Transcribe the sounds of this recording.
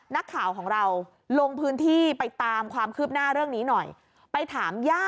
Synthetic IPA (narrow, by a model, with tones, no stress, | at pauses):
na˦˥kʰːaː˩˦wkʰɔː˩˦ŋɾa˧w | lo˧ŋpʰɯː˦˥nt̪ʰiː˥˩pa˧jt̪aː˧mkʰwaː˧mkʰɯː˥˩p̚naː˥˩ɾɯ˥˩əŋniː˦˥nɔ˨˩j | pa˧jt̪ʰaː˩˦mjaː˥˩